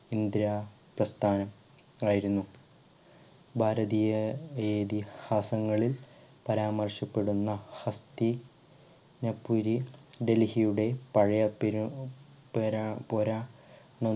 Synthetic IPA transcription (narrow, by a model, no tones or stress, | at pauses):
ind̪ɾaː | prɐst̪ʰaːnɐm | aːjiɾunːu | bʱaːɾɐðiːjɐeːd̪ihaːsɐŋːɐɭilpɐɾaːmɐrɕɐpːe̞ɽunːɐhɐst̪i | nɐpːuɾiɖe̞lhijuɽe̞pɐɻɐjɐpɾu | pːpoɾaː | ɳɐ